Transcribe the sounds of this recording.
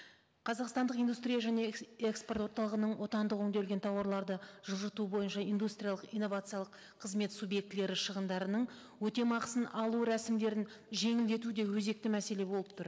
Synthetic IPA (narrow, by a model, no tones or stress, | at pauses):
qʰɑzɑqst̪ɑnd̪əqind̪ust̪ɾijaʒæne̞eksport̪wo̞ɾt̪ɑlˠəʁənəɴwo̞t̪ɑnd̪əqɵŋd̪elɡʲet̪ʰɑwɑɾlˠɑɾd̪əʒʊlˠʒət̪ubo̞jənʃɑijnd̪ust̪ɾʲijalˠəqijnːo̞vat̪sɨijɑlˠəq | qʰːəzme̞t̪subje̞k̚t̪le̞ɾɪʃəʁənd̪ɑɾənəɴ | wɵt̪e̞mɑqəsənɑlˠuɾæsɪmd̪e̞ɾɪnʒe̞ŋɪld̪e̞t̪ud̪e̞wɵze̞k̚t̪ɪmæse̞le̞bo̞lˠəp̚t̪ʊɾ